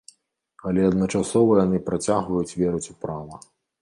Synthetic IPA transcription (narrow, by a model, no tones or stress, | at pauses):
alʲɛɐd̪nɐt͡ʂasɔvɐjanɨpɾat͡sʲaɣvɐjut͡sʲvʲɛɾut͡sʲupɾavɐ